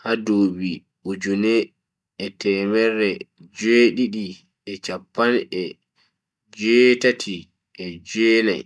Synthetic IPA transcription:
hadoːbi | ʔud͡ʒunɛ | ɛtɛmɛɾːɛd͡ʒeɗiɗi | ʔɛt͡ʃapːanɛ | d͡ʒɛtatʰi | ʔɛd͡ʒɛːla̰j

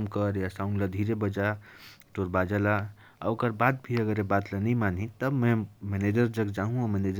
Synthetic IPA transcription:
mkəɾjasaũnlad̪ʱiɾebəd͡ʒaʈoɾbad͡ʒala | aokəɾbad̪bʱiəɡəɾebat̪lanəimanʱĩt̪əbmɛ̃mɛned͡ʒəɾd͡ʒəɡd͡ʒaɦũamened͡ʒ

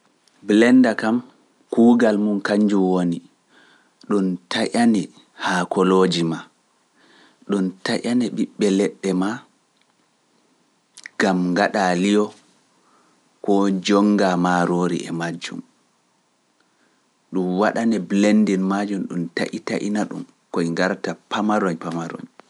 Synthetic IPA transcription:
blɛndakam | kuːɡalmunkaɲd͡ʒuwoni | ɗuntʰaʔanɛ | hakɔloːd͡ʒima | ɗuntaʔanɛɓiɓːɛlɛɗːɛma | ɡ̥amŋɡaɗalijɔ | kɔd͡ʒɔŋɡamaɾoːɾḭʔɛmad͡ʒːṵm | ɗumwaɗanɛblendinmad͡ʒumɗṵmta̰ʔitaʔḭnaɗṵm | kɔiŋɡaɾtapamaɾɔɲpamaɾɔ̰ɲ

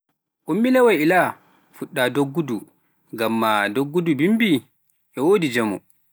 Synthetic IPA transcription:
ʔumːilɛwajila | fuɗːadoɡːudu | ɡamːadoɡːudubimbi | ʔɛwoːdid͡ʒɛmɔ̰

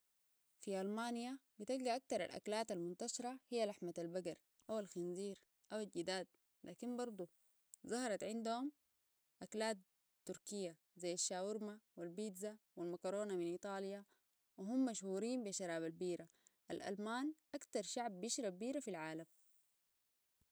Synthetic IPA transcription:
fiʔalmaːnijabit̪alɡaʔak̚t̪ɑɾˤa̰lʔa̰klaːt̪almunt̪aʃɾˤɑhijːalaħmat̪albaɡɑɾˤ | ʔawalxinziːɾ | ʔawalɟid̪aːd̪̚ | lʔaːkimbɑɾˤd̪ˤu | zˤɑhɑɾˤɑt̪ʕɪnd̪uhum | ʔaklaːt̪ː | uɾkijːa | zajːaʃːaːwuɾmawilbiːd̪zawilmakɾoːnaminʔiːt̪ˤɑːlja | wiɦumːaʃhuːɾiːmbiʃːɑɾˤaːβalbiːɾaʔalʔa̰lmaːnʔakt̪ɑɾˤʃaʕbːiʃɾabbiːɾafilʕaːlam

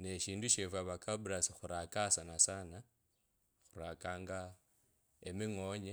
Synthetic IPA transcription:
ne̞ʃiːnduʃefwaβakabuɾasixuɾakasanasana | xuɾakaːŋɡa | emiŋo̞ɲe

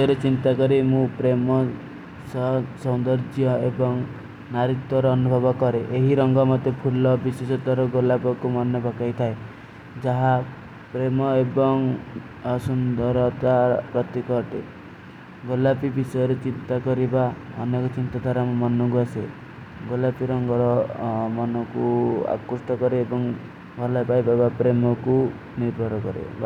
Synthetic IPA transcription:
jɔɾet͡ʃint̪akɔɾimũpɾemɔ | ssɔwnd̪ɔɾd͡ʒjɔebɔŋ | naɾit̪wɔɾɔːnubʱɔbɔkɔɾeʔeɦiɾɔŋɡɔmɔt̪ːepʰulɔbisesɔt̪ɔɾɔɡolapɔkumɔnɔbɔkajt̪ʰae | d͡ʒaɦa | pɾemɔebɔŋ | ɔsund̪ɔɾɔt̪apɾɔt̪ikɔʈḛ | ɡolapibisɔjɔɾet͡ʃint̪akɔɾibaɔnekɔt͡ʃint̪ad̪ʱaɾamɔmɔnɔɡuasḛ | ɡolapiɾɔŋɡɔɾɔmɔnɔkua̰kusʈɔkɔɾeːbɔŋ | ɡʱɔlaepajbabapɾemɔku | niɾbʱɔɾɔkɔ̰ɾḛb

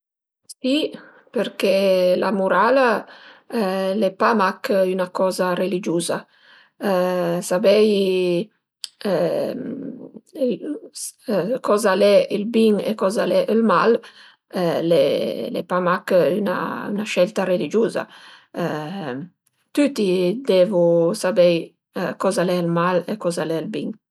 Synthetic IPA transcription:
si | peɾkelamuɾala | lepamakynakɔzarelid͡ʒuza | sabɛj | kɔzalɛəlbiŋḛkɔzalɛʔəlmal | lelḛpamakyna̰ynaʃɛlt̪arelid͡ʒuza̰ | t̪yt̪id̪ɛvusabɛj | kɔzalɛəlmalekɔzalɛəlbiŋ

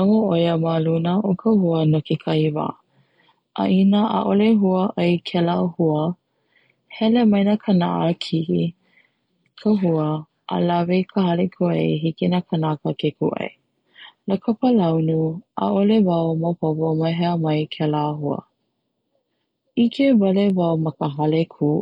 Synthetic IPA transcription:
aŋoʔojəmalunəʔokʰəhuənokikʰɐiva̰ː | ʔa̰ʔinəʔa̰ʔoleɦuəʔɐjkʰɛlahuə | hɛlemɐjnakʰəna̰ʔəkʰiʔi | kʰəɦuə | ʔa̰lavejkʰəɦɐlekʰuʔḛjɦikinakʰənakəkʰekuʔɐ̰j | ləkʰəpəlɐwnuʔa̰ʔolevawməpovomɐɦɛəmɐjkʰɛlaɦuə̰ | ikʰevɐlevawmɐkəɦɐlekʰu

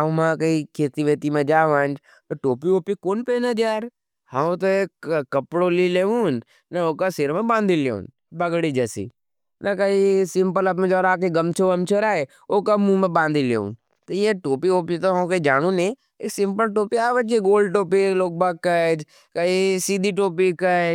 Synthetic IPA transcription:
amãkɐikʰeːt̪iʋeːt̪imẽd͡ʒaːʋaːnd͡ʒ | t̪oʈoːpioːpikoːnpenɐd͡ʒaːɾ | hãt̪oekkːɐpɽolileːũn | nɐoːkaseɾmẽbãːnd̪ʱilḛṵ̃ːn | bɐɡɽid͡ʒɛsḭ | nɐkɐisɪ̃mpəlɐpmẽd͡ʒɔːɾaːk̬eɡɐmt͡ʃʰoʋɐmt͡ʃʰoɾaːe | okamũmẽbãːnd̪ʱileːṵ̃ːn | t̪ojeʈoːpioːpit̪oɦɐ̃ked͡ʒaːɽũne | eːksɪ̃mpəlʈoːpiaːʋə̃t͡ʃeɡoːlɖʈoːpiloːk̚bakkːəd͡ʒ | kɐisiːd̪ʱiʈoːp̬ikə

